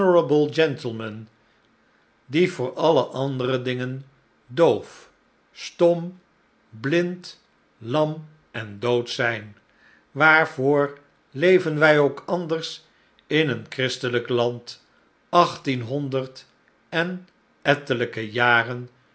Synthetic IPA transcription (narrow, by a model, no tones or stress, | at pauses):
əɹəbəlˠd͡ʒɛntəl̩ˠmən | div̥ʊːɹɑləʔɑndərədɪŋən | dowf | stɔm | blɪnt | lɑm | ɛndowtsɛjn | ʋaːɹv̥ʊːɹ | lejvənʋɛjowkʰɑndəɹs | ɪnənkrɪstələklɑnt | ɑχtinɦɔndəɹt | ɛn | ɛtələkəjaːrən